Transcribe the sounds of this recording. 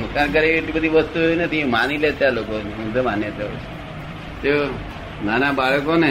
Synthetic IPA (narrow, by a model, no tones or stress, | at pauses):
mukank̬əɾeeʈibəd̪ʱiʋəst̪uɦojunət̪ʰimanilet̪jalokoniũd̪əmanjət̪ə̰t͡ʃʰe̥ | t̪eo | nanabaɭkone